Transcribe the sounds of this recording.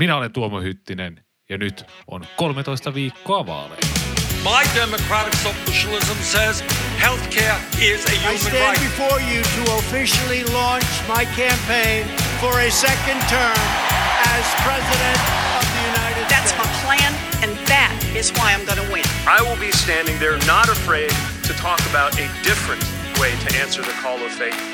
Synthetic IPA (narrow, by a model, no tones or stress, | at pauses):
minæolent̪uomohyt̪ːinen | jɑnyt̪ʔo̰nkolmet̪oist̪ɑʋiːkːoɑʋɑ̰ːlḛmːmaɪdɛməkʰɹ̥æɾɨksoʊfɪʃl̩ˠɪzə̃msɛz̥hɛlˠθkʰɛɹɪzɨjɪstæ̃nbɨfɔɹjɨɾɨofɪʃl̩ˠilɔ̃nt͡ʃmaɪkʰæ̃mpʰẽɪ̃nfə˞ɨsɛkɨ̃ntʰɜ̃˞mɨz̥pʰɹ̥ɛzɨɾɨ̃ntʌvðɨjʉnaɪɾɨd̥sðætsmaɪpʰl̥æ̃n | ɨ̃nðɨɾɪzwaɪãɪ̃mɡʌnəwɪ̃nʔaɪwɪlˠbistæ̃ndɪ̃ŋðə˞nəɾəfɹeɪd̚ | tʰɨtʰɔkəbaʊɾɨdɪfɹɨ̃nʔ | weɪɾɨʔæ̃nsə˞ðɨkʰɔlˠʌv̥feɪθ